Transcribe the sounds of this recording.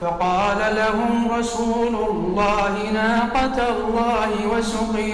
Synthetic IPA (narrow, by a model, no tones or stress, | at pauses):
fɑqɑːlalahʊmɾˤɑsuːlʊlːɑːhɪnaːqɑt̪lˤːɑːhɪwasʊqɪ